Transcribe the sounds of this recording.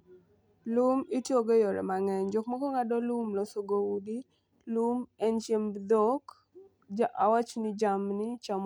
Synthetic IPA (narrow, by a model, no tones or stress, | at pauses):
lumitjoɡojoɾɛ̰maŋɛɲd͡ʒokmɔkɔŋadɔlumlɔsoɡowudi | lumɛnt͡ʃembd̪ɔk | aʔawat͡ʃnɪd͡ʒamnɪt͡ʃam